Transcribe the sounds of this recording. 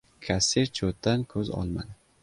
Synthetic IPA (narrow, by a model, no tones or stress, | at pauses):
kʰasiɾt͡ʃʰot̪ːankʰɵzɒ̰lˠma̰d̪ɪ